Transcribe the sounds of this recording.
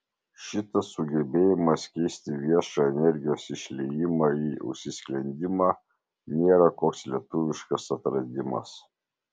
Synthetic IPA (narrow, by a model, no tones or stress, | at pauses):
ʃʲɪt̪ɐsːʊɡʲɛbʲeːjɪmɐskʲɛɪsʲt̪ʲɪʋʲiɛʃɑɛnʲɛɾʲɡʲɪjoːsɪʃʲlʲɛjɪmɑːiːʊ̰ʃʲsʲɪsʲklʲɛnʲd̪ʲɪmɑː | nʲeːɾɐkoːkslʲiɛt̪ʊʋʲɪʃkɐsɐt̪ɾɐd̪ʲɪmɐ̰s